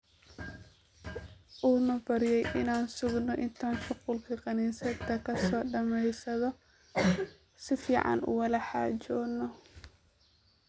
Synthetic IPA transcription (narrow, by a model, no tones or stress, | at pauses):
ʔuːnɐbɐɾɪjɛjʔɪnaːnsʊɡnɔʔɪnt̪ʰaːnʃʊqʊlkʰɐqɑniːsɛt̪ʰːɐkʰɐsɔːɖɐmɛjsɐðɔ | sɪfiːʕɑ̰nʔʊ̰wɐlɐħɑ̰ːt͡ʃɔːnːɔ